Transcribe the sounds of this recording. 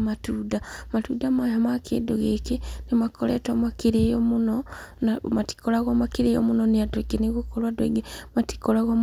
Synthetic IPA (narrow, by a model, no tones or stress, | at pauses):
matuːdamatudamajomakʰḛdoɣekinimakoletomakiɾejomunonamati̥kolaɣomakiɾejo̰munoniadweɡeneɣukolwadweɡemati̥kolaɣom